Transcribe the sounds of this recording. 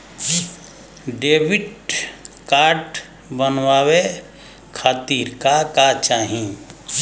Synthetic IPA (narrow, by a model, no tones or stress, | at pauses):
ɖeːbɪʈ | kaːɾʈ | bənwawe | kʰaːt̪iːɾkakat͡ʃaːɦĩ